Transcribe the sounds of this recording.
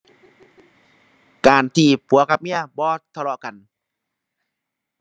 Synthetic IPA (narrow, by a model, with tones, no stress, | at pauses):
kaː˨˩nt̪ʰiː˧˩pʰu˨˦ɐkʰa˧p̚mi˧˥˨ɐbɔː˧˦t̪ʰa˧lɔ˧ʔka˨n